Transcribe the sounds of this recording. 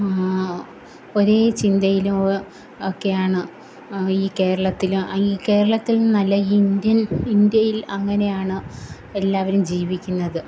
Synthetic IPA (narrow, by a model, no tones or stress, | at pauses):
o̞ɾe̞ːt͡ɕind̪ɐjilum | okːe̞jaːɳɨ | iːke̞ːɾɐɭɐt̪ːilumiːke̞ːɾɐɭɐt̪ːilnɐlːɐind̪jɐnind̪jɐjilɐŋːɐne̞jaːɳɨ | elːaːʋɐɾumd͡ʑiːʋikʲːunːɐðɨ